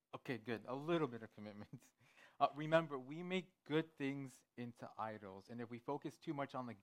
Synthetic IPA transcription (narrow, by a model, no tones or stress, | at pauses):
oʊkʰeɪɡʊdəlɪɾl̩ˠbɪɾʌv̥kʰɨmɪt̚mɨ̃nt | ɹɨmɛ̃mbə˞wimeɪk̚ɡ̥ʊd̪̚θɪ̃ŋz | ɪ̃ntʰṵʔa̰ɪɾl̩ˠzɨ̃nɨfwifoʊkɨstʰʉmʌt͡ʃn̩ðɨ